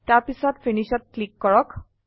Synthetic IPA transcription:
taɹpisɔtfʰiniʃɔt̚klikːɔɹɔk

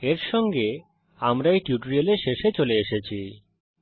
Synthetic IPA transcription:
eɾʃɔŋɡe | amɾajʈjuʈoɾialeʃeʃet͡ɕoleeʃet͡ɕʰi

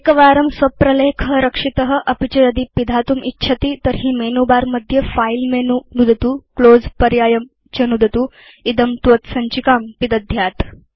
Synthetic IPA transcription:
kɐʋaːɾɐmsʋɐpɾɐleːkʰəɾɐkʂit̪ɐɦə̆ʔɐpit͡ɕɐɾɐd̪ipid̪ʱaːt̪umʔitːt͡ʃʰɐt̪iːt̪ɐɾɦiːmeːnuːbaːɾmɐd̪ʱjɐfailmeːnunud̪ʱɐt̪uːkloːd͡zpɐɾjaːjɐm | t͡ɕɐnud̪ʱɐt̪uː | id̪ɐmt̪ʋɐt̪sɐɲt͡ʃikaːmpid̪ɐd̪ʱjaːt̪

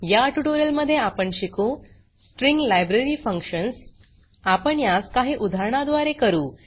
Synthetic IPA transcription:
jaʈuʈoɾijəlməd̪ʱːjeapəɳɕikõ | sʈɾiŋɡlajbɾeɾiːfəŋkɕəns | apəɳjaskaɦiːʔud̪ʱaɾɳ̃ad̪ʋaɾekəɾuː

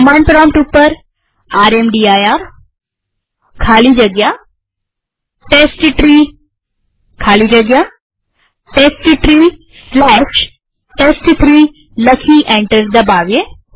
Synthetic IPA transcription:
mãːɳɖpɾɔːmpʈupːəɾ | aːɾemɖiaːjaːɾ | kʰaːlid͡ʒəɡja | ʈesʈʈɾi | kʰaːlid͡ʒəɡja | ʈesʈʈɾiː | slɛʃ | ʈesʈt̪ʰɾi | ləkʰiʔẽɳʈəɾd̪əbaːʋje

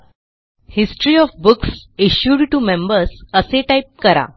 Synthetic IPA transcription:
hisʈɾiːɔfbuksiɕjuɖʈumẽmbəɾsəseʈajp̚kəɾa̰

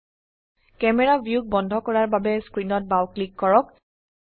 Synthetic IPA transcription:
kɛmɛɹabʱjuk̚bɔndʱɔkɔɹaɹbabɛskɹinɔt̚bawklikːɔɹɔk

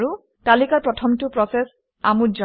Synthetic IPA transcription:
ɹu | talikaɹpɹɔtʰɔmtʊpɹɔsɛs | amud͡ʒa

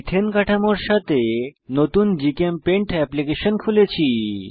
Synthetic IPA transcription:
t̪ʰenkaʈʰamoɾʃat̪enot̪und͡ʑikempeɳʈɛplikeʃonkʰulet͡ɕʰi

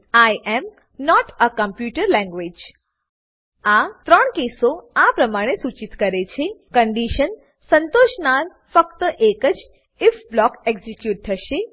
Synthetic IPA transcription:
ajʔɛm | nɔʈəkəmpjuʈəɾlɛ̃ŋɡʋed͡ʒ | at̪ɾəɳkesoapɾəmaɽ̃esut͡ʃit̪kəɾet͡ʃʰekəɳɖiʃən | sənt̪oʃnaɾ | fək̚t̪əʔekəd͡ʒ | ɪfblɔkeɡzikjuʈ̚t̪ʰəʃe

